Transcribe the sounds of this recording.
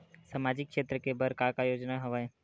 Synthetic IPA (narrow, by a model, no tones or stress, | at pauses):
saːmaːd͡ʒɪkːʃeːt̪ɾəkebəɾkakajoːd͡ʒnaɦɐʋae